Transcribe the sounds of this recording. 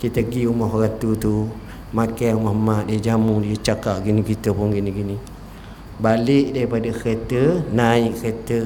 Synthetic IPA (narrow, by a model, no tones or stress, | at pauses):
kit̪əɡiumɔɦɾat̪ut̪u | makajumɔhmaʔdiəd͡ʒamudiət͡ʃakaʔ̚ɡinikit̪əpʊnɡiniɡini | balɪʔdaɾipadaket̪ənaiʔket̪ə